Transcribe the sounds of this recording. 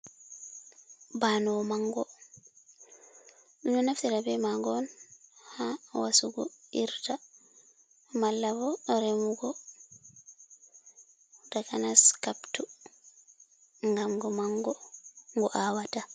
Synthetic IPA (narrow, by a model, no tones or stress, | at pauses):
banɔmaŋɡɔ | ɗunɔnaftiɾabɛmaɡɔnhawasuɡɔ̰iɾta | malːabɔɗɔɾɛmuɡɔ | dakanaskaptu | ŋɡamɡɔmaŋɡɔŋɡɔʔawata